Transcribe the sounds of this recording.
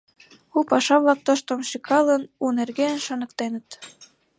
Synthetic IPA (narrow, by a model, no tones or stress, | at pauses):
upɑʃɑβlɑk̚t̪oʃt̪ŏmʃikʰɑlənunerɣenʃɑnɤ̆k̚t̪enə̆t̪